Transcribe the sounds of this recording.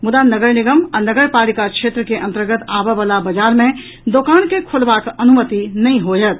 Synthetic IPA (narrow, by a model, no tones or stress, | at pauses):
mʊd̪anəɡəɾnɪɡəməɾnəɡəɾpaːlikakʃeːt̪ɾəkeʔɐ̃nt̪əɾɡət̪aːbeʋəlabɐd͡ʒaːɾmẽ | d̪okaːnkekʰʊlbakɐnumət̪inɐɦĩɦod͡ʒət̪̚